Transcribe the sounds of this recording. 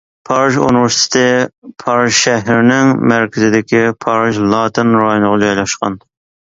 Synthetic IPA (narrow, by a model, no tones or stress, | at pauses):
pʰɑɾɨʃṵnɪvɪɾst̪ʰɪ̥t̪ʰɪpʰɑɾɨʃʃɛɦɾɪnɪŋmæɾkʲɪzɪd̪ɪkʲipʰɑɾɨʃlˠɑːt̪ʰɪnɾɑjonəʁɑd͡ʒɑjlˠɑʃqɑ̰n